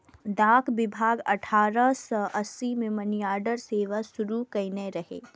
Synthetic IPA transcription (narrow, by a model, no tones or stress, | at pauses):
d̪aːkʰʋɪbʱaːɡɐ̰ʈʰaːɾəsəʔəsimẽmɐnjaːɖəɾseːʋəsʊɾukɐɪneɾɐɦḛː